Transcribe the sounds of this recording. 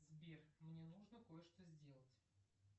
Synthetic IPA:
zbʲermnʲenuʐnəko̞jəʂt̪ozʲdʲe̞lˠətʲ

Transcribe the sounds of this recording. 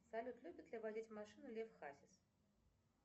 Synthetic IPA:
sɐlʲut̪lʲubʲɪt̪lʲɪvadʲitʲvmaʂɨnʊlʲefxasʲɪs

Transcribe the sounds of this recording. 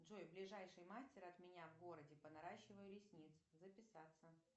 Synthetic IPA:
dʐojblʲɪʐajʂɨjmasʲtʲɪɾɐt̪mʲɪnʲavɡo̞ɾədʲɪpənɐɾaɕːɪvəjʊlʲɪsʲnʲit̪sʊzəpʲɪsat̪sːə

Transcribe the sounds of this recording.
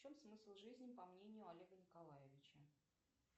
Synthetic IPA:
t͡ɕomsmɨsʲlˠʐɨzʲnʲɪpɐmnʲenʲɪjʊɐlʲeɡənʲɪkɐlˠajɪvʲɪt͡ɕə

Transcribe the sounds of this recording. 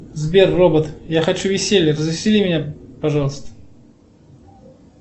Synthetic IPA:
zbʲerːobət̪jaxɐt͡ɕuvʲɪsʲelʲrəzvʲɪsʲɪlʲimʲɪnʲapɐʐɑlˠəst̪ə̥

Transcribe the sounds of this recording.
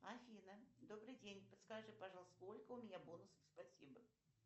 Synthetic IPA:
afʲinəd̪obɾɨjdʲenʲpət̪skaʐɨpɐʐɑlˠəst̪olʲkəʊmʲɪnʲabonʊsəfspɐsʲḭbə

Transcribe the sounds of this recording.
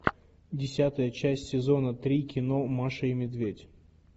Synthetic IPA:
dʲɪsʲat̪əjət͡ɕæsʲtʲsʲɪzonət̪ɾʲikʲɪnomaʂəɪmʲɪd̪vʲedʲ

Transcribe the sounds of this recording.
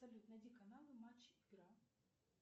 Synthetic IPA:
sɐlʲut̪nɐd̪ʲikɐnalˠɨmat͡ɕːiɡɾa

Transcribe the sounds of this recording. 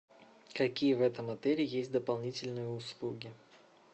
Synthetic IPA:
kɐkʲijəvɛt̪əmɐt̪ɛlʲɪjesʲt̚ʲd̪əpɐlˠnʲitʲɪlʲnɨjəʊslˠuɡʲɪ

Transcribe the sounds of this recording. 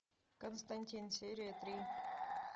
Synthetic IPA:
kɔnst̪anʲt̪ʲinseɾet̪ɾiː

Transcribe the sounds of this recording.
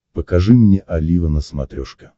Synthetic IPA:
pəkaʐɨmnʲeʔɐlʲivənəsmɐ̰t̪ɾʲoʂkə̥

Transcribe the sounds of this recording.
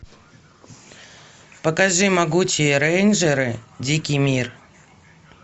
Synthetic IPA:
pəkɐʐɨmɐɡut͡ɕɪjəɾɛjnʐəɾɨdʲikʲɪjmʲir

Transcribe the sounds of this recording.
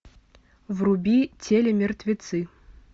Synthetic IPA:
wrubʲit͡sʲʰelʲemʲert̪ʲvʲit̪sɨ

